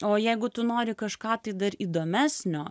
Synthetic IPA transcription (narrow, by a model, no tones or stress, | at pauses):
oːjɛɪɡʊt̪ʊnoːɾʲɪkɐʃkɑːt̪ɐɪd̪ɐɾiːd̪oːmʲæːsʲnʲoː